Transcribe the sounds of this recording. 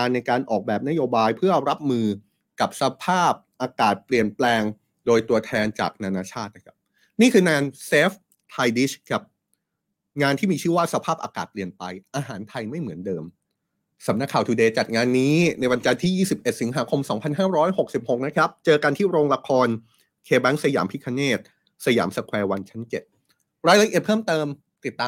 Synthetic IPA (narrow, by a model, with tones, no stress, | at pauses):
aː˧nːa˧jkaː˧nʔɔː˨˩k̚bɛː˨˩p̚na˦˥joː˧baː˧jpʰɯ˥˩ɐɾa˦˥p̚mɯː˧ | ka˨˩p̚sa˧pʰaː˥˩p̚ʔaː˧kaː˨˩t̪̚pli˨˩ənplɛː˧ŋ | doː˧jt̪u˧ɐt̪ʰɛː˧nt͡ɕa̰ː˨˩k̚naː˧naː˧t͡ɕʰaː˥˩t̪̚na˦˩kʰa˦˥p̚ | niː˥˩kʰɯː˧naː˧nseː˦˥f | t̪ʰa˧jdi˦˥skʰa˦˥p̚ | ŋaː˧nt̪ʰiː˥˩miː˧t͡ɕʰɯː˥˩waː˥˩sa˧pʰaː˥˩p̚ʔaː˧ka̰ː˨˩t̪̚pli˨˩ənpa˧jʔaː˧ɦaː˩˦nt̪ʰa˧jma˥˩jmɯ˩˦əndɤː˧m | sa˩˦mna˦˥kʰːaː˨˩t̪ʰuː˧deː˧t͡ɕa˨˩t̪̚ŋaː˧nːiː˦˥na˧jwa˧nt͡ɕa˧nt̪ʰiː˥˩jiː˥˩si˨˩p̚ʔe˨˩t̪̚si˨˩˦ŋɦaː˩˦kʰo˧msɔː˩˦ŋpʰa˧nɦaː˥˩ɾɔː˦˥jho˨˩k̚si˨˩p̚ho˨˩k̚na˦˥kʰɾa˦˥p̚t͡ɕɤː˧ka˧nt̪ʰiː˥˩ɾoː˧ŋla˧kʰɔː˧n | kʰeː˧bɛ˦˥ŋsa˧ja̰ː˩˦mpʰi˦˥kʰa˧neː˥˩t̪̚ | sa˧ja̰ː˩˦msa˧kʰwɛː˧wa˧nt͡ɕʰa˦˥nt͡ɕe˨˩t̪̚ | ɾaː˧jɾa˧ʔi˨˩ət̪̚pʰɤː˥˩mt̪ɤː˧m | t̪i˨˩t̪ːaː˧